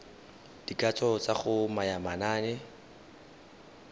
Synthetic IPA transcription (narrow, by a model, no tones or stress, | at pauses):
d̥ikʼat͡sʰɔt͡saχʊmajamanaːnɛ